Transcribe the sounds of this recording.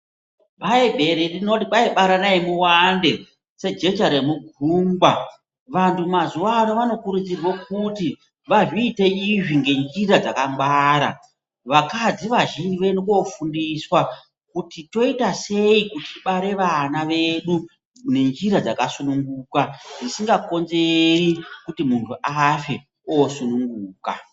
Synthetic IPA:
ɓaebʱe̞ɾerino̞tiɓaiɓaɾanaemuwande̞ | se̞d͡ʒe̞t͡ʃaɾemuɡʱuːmba | ʋantumazuwanoʋano̞kuɾud͡zirwo̞kuti | ʋaʐiːte̞iʐiŋɡe̞nd͡ʒiɾad͡zakamɡ͡bwaːɾa̰ | ʋakad͡ziʋaʒinʋe̞nokofundiswa | kutito̞itase̞ikutiɓaɾe̞ʋanaʋe̞ɗu | ne̞nd͡ʒiɾad͡zakasunuŋɡuːkaʐisiŋɡako̞nze̞rikutimuntʰuʔafe̞ | osunuŋɡuːka̰

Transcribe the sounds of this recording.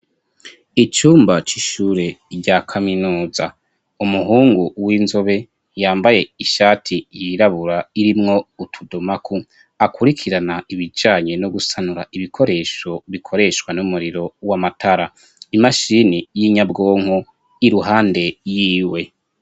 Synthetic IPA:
it͡ʃuːmbat͡ʃiʃuːɾe̞ɾɟakʰaminuːza | umuɦuːŋɡuwiːnzoβe̞ | jaːmbaje̞iʃaːtʰijiɾaβuɾaiɾimŋo̞utʰudomakʰu | akʰuɾikʰiɾanaiβid͡ʒaːɲe̞noɡusanuɾaʔiβikʰo̞ɾe̞ːʃo̞βikʰo̞ɾe̞ʃwanumuɾiɾo̞wamatʰaɾa | imaʃinijiɲabɡo̞ːŋ̥ho | iɾuɦaːnde̞jiːwe̞

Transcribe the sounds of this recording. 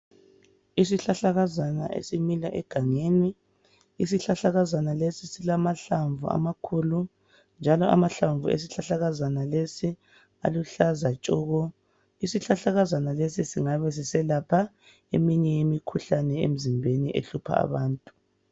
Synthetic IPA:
is̬iɬaɬaɣazana̰ʔḛsimilaʔɛɡ̥ʱaŋeːniː | s̬iɬaɬaɣazanalesisilamaɬaɱvṵa̰makʰulu | nd͡ʒʱalɔʔa̰maɬaɱvʱuḛs̬iɬaɬaɣazanalesi | a̰luɬazat͡ʃʼuːɣɔ | isiɬaɬaɣazanalesisiŋaβɛs̬isɛlapʰa | emiɲɛjemikʰuɬanɛḛm̩zimbʱeniʔḛɬupʰa̰a̰βaːntʼu̥

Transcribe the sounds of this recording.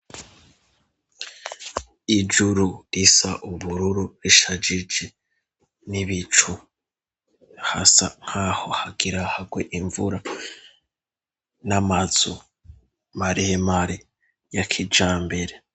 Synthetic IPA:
id͡ʒuɾuɾisaʔuβuɾuɾuɾiʃad͡ʒid͡ʒe | niβit͡ʃu | hasa̰ŋ̥haːho̞haɡiɾahaɡwe̞ʔiɱvuɾa | namaz̥o | maɾiemaɾi | jakʰid͡ʒaːmbe̞ɾe

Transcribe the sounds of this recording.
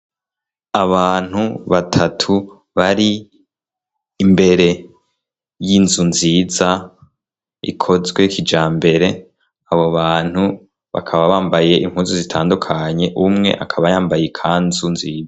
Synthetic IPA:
aβaːn̥huβatʰatʰu | βaɾi | mbe̞ɾe̞ | jinzunziːza | ḭkʰo̞zɡwe̞kʰid͡ʒaːmbe̞ɾe̞ | aβo̞βaːn̥hu | βa̰kʰaβaβaːmbaje̞ʔimhuːzizitʰa̰ːndukʰaɲe̞ʔumŋe̞̰ʔakʰaβajaːmbajekʰaːnzunziːd͡za

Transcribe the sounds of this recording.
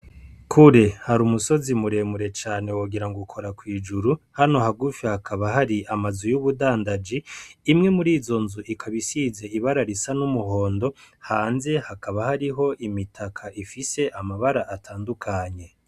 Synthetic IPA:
kʰuɾehaɾumuso̞zimuɾe̞muɾe̞t͡ʃaːne̞woɡiɾaŋɡukʰo̞ɾakwiːd͡ʒuɾuhano̞haɡufjahakʰaβahaɾiʔamazujuβudaːndad͡ʒiːmŋe̞muɾiːzo̞nzuʔikʰaβisiːze̞iβaɾaɾisanumuɦo̞ːndo̞haːnze̞hakaβahaɾiɦo̞ʔimitʰakʰaʔifise̞ʔamaβaɾaʔːtʰaːndukʰaɲe̞

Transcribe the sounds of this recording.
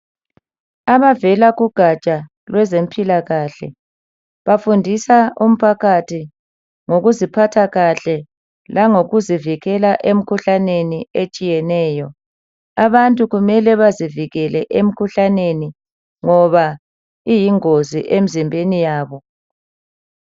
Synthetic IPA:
aβavɛlaɣuɡ̥ʱat͡ʃʼa | lwɛzem̩pʼilaɣaːɬɛ̰ | βafundʱisaum̩pʰaɣʰatʰi | ŋoɣuzipʰatʰaɣaɬɛ | laŋoɣuziviɣɛlaʔem̩kʰuɬaneniet͡ʃʼijɛnɛːjɔ | aβantʼuɣumɛlɛβaziviɣɛlɛʔem̩kʰuɬaneni | ŋɔβa | ijiŋozḭʔem̩zimbʱenijaːβɔ

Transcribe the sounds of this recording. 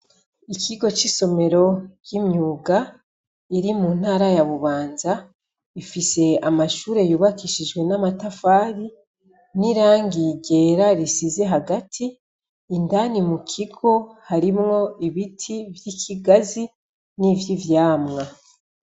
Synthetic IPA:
ikʰiɡo̞t͡ʃiso̞me̞ɾo̞jimɲuːɡa | iɾimuːn̥haːɾajaβuβaːnza | ifise̞amaʃuːɾe̞juːβakiʃid͡ʒɡwe̞namatafaːɾi | niɾaːŋɡiɟe̞ːɾaɾisize̞ɦaɡatʰiː | ndanimukʰiɡo̞haɾimŋo̞iβitʰivjikʰiɡazi | nivjivjaːmŋa

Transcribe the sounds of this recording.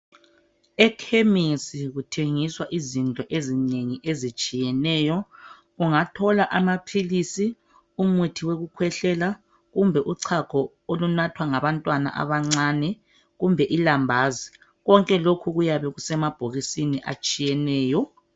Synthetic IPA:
ɛkʰemisiɣutʰeŋiswaʔizintʼɔʔezineŋiʔezit͡ʃʼijɛnɛːjɔ | ɣuŋatʰɔlaʔamapʰilisi | umutʰiweɣukʰwɛɬɛla | ɣumbʱɛʔuǀʰaɡ̥ʰʱɔ | olunatʰwaŋaβantʼwana̰ʔa̰βaŋ͡ǀanɛ | ɣumbʱɛʔilambʱaːzi | ɣɔŋkʼɛlokʰuɣujaβɛɣusɛmab̥ʱoɣisiniʔa̰t͡ʃʼijɛnɛːjɔ

